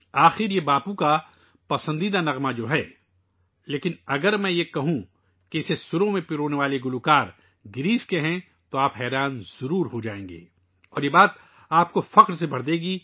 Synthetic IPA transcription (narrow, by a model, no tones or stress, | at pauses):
aːxɪɾjebaːpũka | pɐsə̃nd̪iːd̪anɐɣmad͡ʒoːɦɛː | leːkɪnɐɡəɾmɛ̃jekɐɦũ | keɪsesʊɾõmẽpɪɾoːneʋaːleɡʊlukaːɾ | ɡɪɾiːskeɦɛ̃ | t̪oaːpɦɛːɾaːnz̥ɐɾuːɾɦod͡ʒaːẽːŋɡḛː | ɔ̰ːɾjebaːt̪ | aːp̚kofɐqɾsebʱɐɽd̪eːɡiː